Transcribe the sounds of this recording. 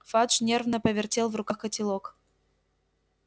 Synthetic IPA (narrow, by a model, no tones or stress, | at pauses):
fat̪ʂnʲervnəpəvʲɪrtʲelˠvrʊkaxkətʲɪlˠok